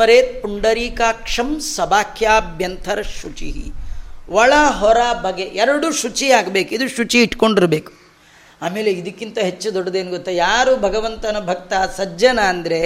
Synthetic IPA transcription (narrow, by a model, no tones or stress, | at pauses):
ɐɾeːt̪̚puɳɖɐɾiːkaːkʂɐmsɐbaːkʰjaːbʱjɐnt̪ʰɐɾɐʃut͡ʃḭɦḭʋɐɭaɦɔɾaːbʱɐɡeʔɛɾɐɽuːʃut͡ʃiaːɡbeːkid̪uʃut͡ʃiːʈkoɳɖiɾbeːku̥ | aːme̞ːleid̪ɐkːint̪ɐɦet͡ʃːud̪ɔɽɐd̪eːnuɡot̪ːɐjaːɾuːbʱɐɡɐʋɐnt̪ɐnɐbʱɐk̚t̪asɐd͡ʒɐnaːnd̪ɐɾe